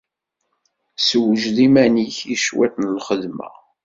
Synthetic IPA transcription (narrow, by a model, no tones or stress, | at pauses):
səwəʒðimæniçiʃwæθnlχəðmæ̰